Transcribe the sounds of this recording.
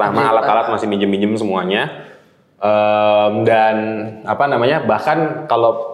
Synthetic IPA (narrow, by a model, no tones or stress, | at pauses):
amaalat̪alat̪̚masɪhmid͡ʒəmid͡ʒəmsəmuaɲa | ʔəmdanapanamaɲabahkankalo